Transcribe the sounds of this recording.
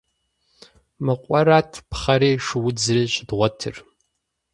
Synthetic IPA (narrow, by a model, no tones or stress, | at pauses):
mɨqʷʼɔɾatʰpʰχɐɾeːʃwʊd͡zreɕdʁʷɔtʰɨ̰r